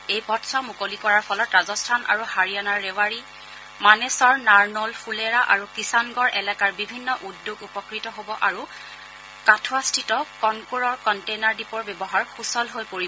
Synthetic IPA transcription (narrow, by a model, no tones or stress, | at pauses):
ejpɔtsamukolikɔɹaɹpʰɔlɔtɹazɔstʰanʔa̰ɹuhaɹijanaɹːewaɹi | manesɔɹnaɹnɔlpʰuleɹaʔaɹukisanɡɔɹʔɛlɛkaɹbibʱinːɔʔudːoɡupɔkɹitɔɦobɔʔaɹu | katʰwastʰitɔkɔnkuɹɔɹkɔntejnaɹdipɔɹbjɛbɔɦaɹxusɔlɦojpoɹibɔ